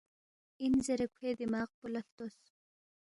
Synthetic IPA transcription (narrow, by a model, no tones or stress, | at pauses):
inzeɾekʷʰed̪imaːq̚pulaft̪os